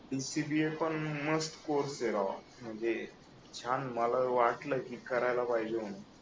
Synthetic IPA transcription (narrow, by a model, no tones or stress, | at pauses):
ɖisibiepəɳməsʈkoɾseɾa | m̤əɳd͡ze | t͡ɕʰanməlaʋaʈləkikəɾajlapaid͡ʑeoɽ̃u